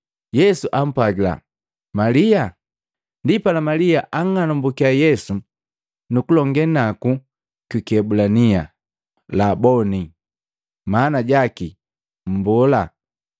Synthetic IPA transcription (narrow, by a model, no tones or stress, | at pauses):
jɛsuʔam̩pwaɡila̰ | malia | ndipalamalijaʔaŋanɔmbukiajɛsu | nukulɔŋɡɛnaku | kikiɛbulanija | labɔni | manaɟaki | m̩bɔla